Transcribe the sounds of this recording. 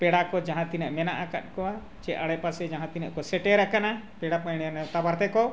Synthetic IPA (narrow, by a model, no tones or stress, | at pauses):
pɛɽakɔd͡ʒaɦãt̪inɛʔmɛnaʔaka̰t̪̚ˀkɔwa | t͡ʃɛaɽɛpasɛd͡ʒaɦãt̪inɛʔkɔsɛʈɛɾakana | pɛɽapajɽ̃ɛnɛt̪abaɾt̪ɛkɔ